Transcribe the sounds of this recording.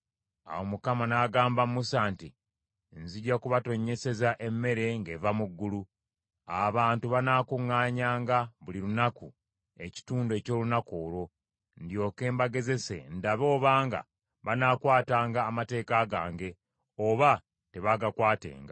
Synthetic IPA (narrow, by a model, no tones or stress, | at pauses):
a̰wo̞mukamanaːɡaːmbammusaːnti | nziɟakuβato̞ɲːe̞se̞zaʔe̞mːe̞ɾe̞ŋɡe̞vamuɡːulu | aβaːntuβanaːkuŋːaːɲaːŋɡaβuliɾunaku | e̞ci̥tuːnde̞ːco̞ːlunako̞ːlo̞ | ndjo̞ːke̞ːmbaɡe̞ze̞sḛndaβo̞ːβaːŋɡa̰ | βanaːkwaːtaːŋɡaːmate̞ːkaɡaːŋɡe̞ | oβa | te̞βaɡakwaːte̞̰ːŋɡa